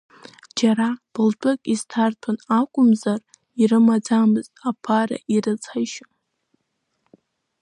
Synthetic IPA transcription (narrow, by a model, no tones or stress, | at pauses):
d͡ʒaɾab̥ɨlt͡pʷʼʊkʼiztʰartʰanakʷʼʊmzar | iɾɨmad͡zamɨztʼapʰara̰ʔiɾɨt͡sʼʰaʃ